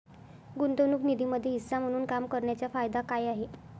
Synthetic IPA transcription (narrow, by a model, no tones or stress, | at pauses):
ɡunt̪onuːknid̪ʱiːməd̪ʱːjeɦisːam̤əɽ̃uːnkamkəɾɳjat͡ɕjafajd̪akajaɦe